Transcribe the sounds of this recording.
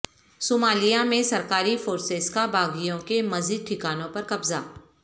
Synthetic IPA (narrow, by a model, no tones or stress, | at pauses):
soːmaːlijamẽsɐɾkaːɾifoːɾsezkabaːɡijõkemɐziːd̪̚ʈʰɪkaːnõpɐɾkɐbzaː